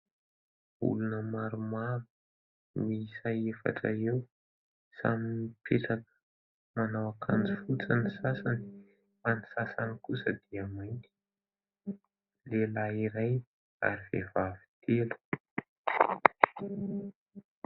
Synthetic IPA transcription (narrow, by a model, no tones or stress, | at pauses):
ṵlunəmaɾumaɾu̥ | misajefa̰ʈ͡ʂaew | sa̰minipʰeʈ͡ʂakə̥ | manawakʰand͡zifut͡sanisasani̥ | fanisasanikusəd̪iamajnt̪i̥ | lelaiɾaj | a̰ɾivevavi̥t̪ʰelu̥